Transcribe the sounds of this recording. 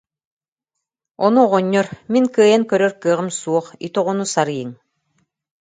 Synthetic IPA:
ɔnuɔʁɔɲːɔɾmiŋkɯːjɛŋkœɾœɾkɯːʁɯmsuɔχḭt̪ɔʁɔnusaɾɯjɯŋ

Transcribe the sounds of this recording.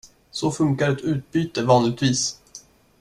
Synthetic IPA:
sɔfɵŋkaɾɛt̪ʉ̟ːt̪̚byːt̪əvɑːnlɪɡ̚t̪viːs

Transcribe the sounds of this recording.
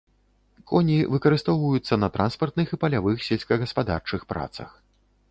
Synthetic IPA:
kʰɔnʲivɨkɐɾɨst̪ɔwvɐjut̪sːɐnɐt̪ɾʔanspɐrt̪̚nɨxipɐlʲavɨxsʲelʲsʲkɐɣɐspad̪a̰rt͡ʂɨxpɾa̰t̪sɐ̰x

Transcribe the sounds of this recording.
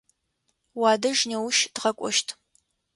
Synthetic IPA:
waːdɐʒnewʊʃd̥ʁɐkʷʼɔ̰ʃtʰ

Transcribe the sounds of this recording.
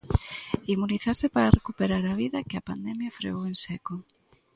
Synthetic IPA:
imuniθasɪpaɾarekupeɾaɾɐβiðɐkɪɐpand̪ɛmjɐfɾḛowensɛko

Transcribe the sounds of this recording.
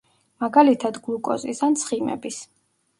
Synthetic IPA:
maɡalit̪ʰad̪ɡlˠukʼɔ̰zisant̪sʰχimɛ̰bis

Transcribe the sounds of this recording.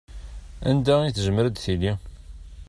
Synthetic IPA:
ænd̪æiθʒəmːəɾəd̪θili

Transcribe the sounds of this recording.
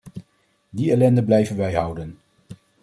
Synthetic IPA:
diɛlɛndəblɛjvənʋɛjɦʌwdən

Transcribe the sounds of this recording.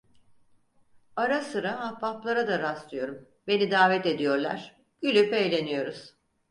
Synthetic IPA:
aɾasɯɾaɦapʰːaplˠaɾad̪aɾaslˠɯjo̞ɾum | be̞nid̪aːvɛt̪e̞d̪ijo̞ɾlˠa̰ɾ̥ | ɟ̥ylʲypejlʲe̞nijo̞ɾuz̥

